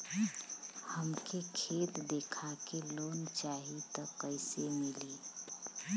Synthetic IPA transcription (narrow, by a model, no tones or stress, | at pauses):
həmkʰekʰeːt̪d̪ekʰakeloːnt͡ʃaɦit̪ɔkːəɪsemiliː